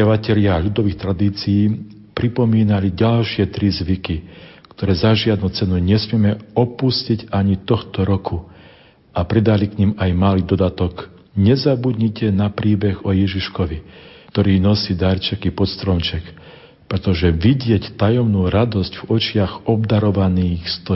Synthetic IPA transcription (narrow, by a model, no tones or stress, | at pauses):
aʋacɛʎɪaːʎud̪ɔʋiːxt̪ɾad̪iːt͡sijiː | pɾipɔmiːnaliɟalʃɪɛt̪ɾizʋikikt̪ɔɾɛːzaʒɪad̪̚nuːt͡sɛnuɲɛsmɪɛmɛɔpusciɟaɲit̪ɔxt̪ɔɾɔkʰu | apɾɛd̪alikɲimajmaliːd̪ɔd̪at̪ɔk | ɲɛzabud̪ɲicɛnapɾiːbɛɣɔjɛʒiʃkɔʋit̪ɔɾiːnɔsiːd̪aɾt͡ʃɛkipɔt̪st̪ɾɔmt͡ʃɛk | pɾɛt̪ɔʒɛʋiɟɪɛct̪ajɔmnuːɾad̪ɔsɟvɔt͡ʃɪaɣɔbd̪aɾɔʋaniːxst̪ɔ